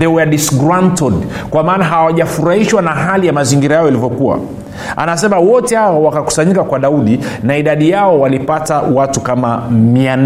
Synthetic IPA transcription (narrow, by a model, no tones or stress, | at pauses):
ðɛwɛɗisɡɾantɔdkwamaːnaɦawaʄafuɾahiʃwanaɦalijamaziŋɡiɾajajɔilivjɔkuwa̰ | a̰nasɛmawɔtɛhaɔwakaku̥saɲikakwaɗauɗinaiɗaɗijaɔwalipatawatukamamian